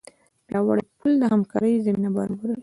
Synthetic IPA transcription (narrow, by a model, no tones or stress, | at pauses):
bjɑwa̰ɽəpuld̪əhamkɑ̰ɾəjzaminabaɾabaɾəl